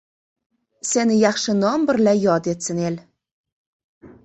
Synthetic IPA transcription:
senɘjɑχʃənɒmbɘ̆ɾlæjɒd̪et̪sɘ̆nelʲ

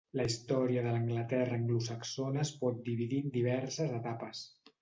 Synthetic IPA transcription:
ləist̪ɔɾiəðələŋɡlət̪ɛrəːŋɡlusəksonəːspɔt̪̚d̪iβiðid̪iβ̞ɛɾsəzət̪apəs

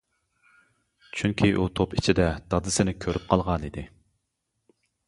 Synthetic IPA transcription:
t͡ʃʰyŋkʲʰiʔut̪ʰopit͡ʃʰid̪ɛd̪̥ɑd̪ɨsɪnɪkʲʰøɾyp̚qʰɑlˠʁɑnid̪ɪ

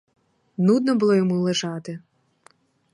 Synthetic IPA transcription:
nud̪̚nɔbʊlˠɔjɔmulˠeʒɑt̪ɪ

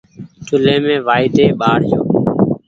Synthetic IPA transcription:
ʈʰʊlẽːmẽːʋaːɪd̪eːɓaːɽd͡ʒoː

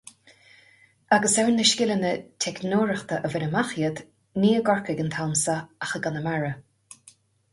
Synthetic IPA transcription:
aɡəsɛwnːəʃkʲɪlənətʰɛknoːɹəxt̪əʔəvɪnəmaxjəd̪ | niːəɡɔɹkəɡənt̪ʰalmsaaxəɡanəmaɹə

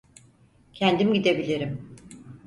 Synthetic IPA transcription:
cʰænd̪imɟid̪e̞bilʲiɾim

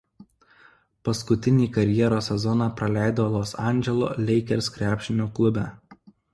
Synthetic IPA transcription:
pɐskʊt̪ʲɪnʲiːkɐɾʲjiɛɾoːsʲːɛzɔnɑːˑpɾɐlʲæˑɪd̪oːlˠoːsɑˑnʲˑd͡ʒʲɛlˠo̰ːlʲɛɪkʲɛɾskɾʲæːpʲʃʲɪnʲuːklˠʊbʲæː

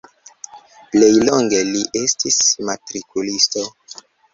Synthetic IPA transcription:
ple̞jlo̞ŋɡe̞liʔe̞stismatɾikulisto̞

